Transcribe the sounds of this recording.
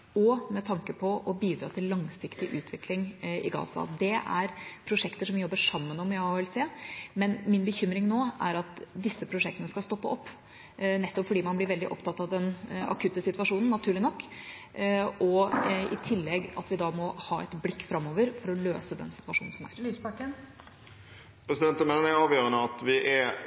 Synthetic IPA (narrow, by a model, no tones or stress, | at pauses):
ɔmɛt̪ʰɑŋkəpʰɔɔbiːd̪ɾɑ̰ːt̪ʰɪlːɑŋsɪkt̪ɪʔʉːt̪ʰʋɪklɪŋɪ̰ɡɑ̰ːsɑ̰d̪ɛæ̰ɾpʰɾʊʂɛkt̪əʂɔmʋɪjɔbːəʂɑmːənɔmæɑʋɪlseːmɛnmɪnbəçʏmɾɪŋnoːæ̰ɾɑt̪d̪ɪsːəpʰɾʊʂɛk̚t̪ənəskɑst̪ɔpːəʔɔpː | nɛt̪ːɔpfɔɖiːmɑnblɪɾʋɛld̪ɪʔɔpt̪ɑt̪ːɑʋd̪ɛnɑ̰kʰʉt̪ːəsɪt̪ʋɑʂuːnn̩nːɑt̪ʰʉːɭɪnɔkː | ɔɪt̪ʰɪlːɛɡɑ̰t̪ʋɪd̪ɑmɔhɑːɛ̰t̪blɪkːfɾɑmːoːʋəɾfɔɾɔlø̰ːsəd̪ɛ̰nsɪ̥t̪ʋɑʂuːnn̩sɔmæ̰ɾlyːspɑkːən | pʰɾɛsɪd̪ɛnt̪əmɛnənɛɑːʋjøːɾənəɑt̪ʋɪʔɛ